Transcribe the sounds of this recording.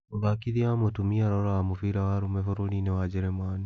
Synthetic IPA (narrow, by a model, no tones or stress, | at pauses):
oβakiðiamotumiaɾɔɾaamofiɾawaɾumefoɾuninewad͡ʒeɾemaːni